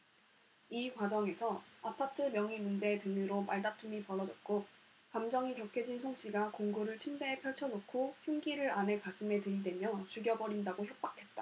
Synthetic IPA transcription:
ikwad͡ʑʌŋe̞sʰʌapʰatʰɯmjʌŋimund͡ʑe̞ːtɯmɯɾomaɭdatʰumipʌɾʌd͡ʑʌt̚k͈o | kamd͡ʑʌŋikjʌkʰjed͡ʑinsʰoŋɕ͈iɡakoŋɡuɾɯɭt͡ɕʰimdeːpʰjʌɭt͡ɕʰʌnokʰoçjuŋɡiɾɯɾane̞kasʰɯme̞tɯɾidwe̞mjʌt͡ɕuɡjʌbʌɾindaɡoçʰjok̚p͈akʰe̞t̚t͈a

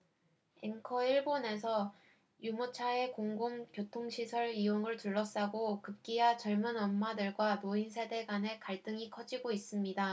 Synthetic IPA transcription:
eŋkʰʌiɭbone̞sʰʌ | jumot͡ɕʰae̞koŋɡumkjotʰoŋɕʰisʰʌɾijoŋɯɭtuɭːʌs͈aɡokɯp̚k͈iat͡ɕʌɭmɯnʌmːadɯɭɡwamoinsʰe̞de̞ɡwane̞kaɭt͈ɯŋikʰʌd͡ʑiɡois͈ɯmɲida

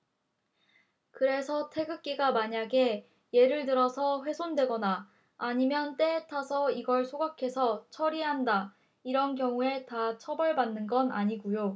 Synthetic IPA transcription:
kɯɾe̞sʰʌtʰe̞ɡɯk͈iɡamaɲaɡe̞ | je̞ɾɯɭtɯɾʌsʰʌɸwe̞sʰondwe̞ɡʌnaː | ɲimjʌnt͈e̞ːtʰasʰʌiɡʌɭsʰoɡakʰe̞sʰʌt͡ɕʰʌɾiɦanda | iɾʌnkjʌŋue̞tat͡ɕʰʌbʌɭbanːɯnɡʌna̰ɲiɡujo

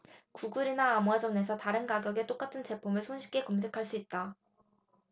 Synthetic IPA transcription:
kuɡuɾinaːmwad͡ʑʌne̞sʰʌtaɾɯnkaɡjʌɡe̞t͈ok͈atʰɯnt͡ɕe̞pʰomɯɭsʰonɕʰi̥kʰe̞kʌmsʰe̞kʰaɭs͈uit̚t͈a

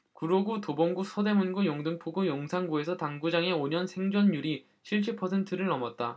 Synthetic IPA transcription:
kuɾoɡutobʌŋɡusʰʌde̞munɡujoŋdɯŋpʰoɡojoŋsʰaŋɡue̞sʰʌtaŋɡud͡ʑaŋe̞oɲʌnsʰe̞ŋd͡ʑʌnːuɾi | ɕʰiɭɕ̬͈ʰipʰʌsʰe̞ntʰɯɾɯɭnʌmʌt̚t͈a

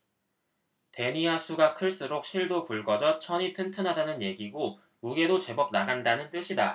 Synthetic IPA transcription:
te̞ɲiasʰuɡakʰɯɭs͈uɾok̚ɕʰiɭdopuɭɡʌd͡ʑʌt͡ɕʰʌɲitʰɯntʰɯnɦadanɯnje̞ɡiɡo | muɡe̞dot͡ɕe̞bʌb̚naɡandanɯnt͈ɯɕʰida

